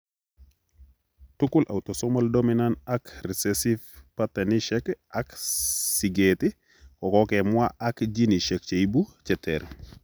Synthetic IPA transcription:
tukulʔa̰wtosɔmaldominanakɾisesifpateniʃɛkaksiɡeti | kɔkɔkɛmwaakɟiniʃɛk̚t͡ʃeibut͡ʃɛtʰɛɾ

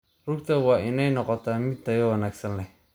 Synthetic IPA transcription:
rʊɡ̚t̪ʰɐwɑːʔɪnɛjnɔqɔt̪ʰaːmɪd̪̚t̪ɐjɔwɐnaːɡsɐnlɛ

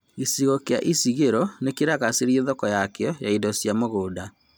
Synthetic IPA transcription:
isiɣokea̰ʔisiɣeɾɔnekeɾaɣaseɾieðɔkɔjakeɔjaidɔsjamoɣoːda

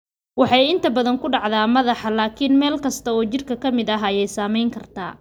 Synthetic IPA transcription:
wɑħɑjɪnt̪ʰɐbɐðɐŋkʰʊɖɑʕðaːmɐðɑħɑlaːkʰɪnmɛːlkʰɐst̪ʰɐɔːt͡ʃɪrkʰɐkʰɐmɪðɐɦaːjɛjsaːmɛjŋkʰɐrt̪ʰa̰ː

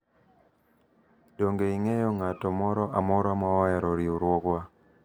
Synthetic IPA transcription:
doŋɡeiŋejɔŋatɔmɔɾɔʔamɔɾamawajɛɾɔɾioɾwɔkwa

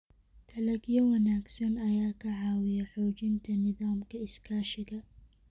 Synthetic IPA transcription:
t̪ʰɐlɐɡjɐwɐnaːɡsɐnɐjaːkʰɐʕɑːwɪjɐħɔːt͡ʃɪnt̪ʰɐnɪðaːmkʰɐɪskʰaːʃɪɣɐ

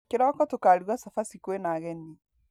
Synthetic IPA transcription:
keɾɔkɔtokaɾwasafasikuenaɣɛni

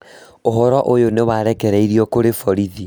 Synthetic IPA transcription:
oɦɔɾɔʔojonewaɾɛkɛɾɛiɾiɔkoɾefɔɾiði

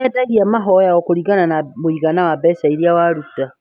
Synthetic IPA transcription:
edaɣiamaɦojaokuɾiɡananamuiɡanawabɛsaiɾiawaɾuta

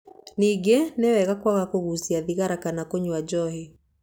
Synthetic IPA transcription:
niɡenewɛɣakwaɣakoɣusiaðiɣaɾakanakoɲwad͡ʒɔɦe

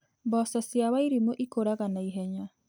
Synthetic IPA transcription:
bɔsɔsjaβaiɾimoʔikoɾaɣanaiɦɛɲa

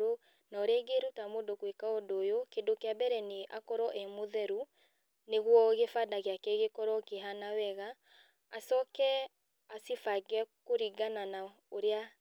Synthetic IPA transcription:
ɾo | naɾeɡeɾutamodokwekaodoːjokedokeabɛɾɛneʔakɔɾɔʔɛmoðɛɾu | neɣwɔɣefadaɣeakɛɣekɔɾɔkeɦanawɛɣaː | sɔkɛ | asifaɡɛkoɾiɡanana | oɾea

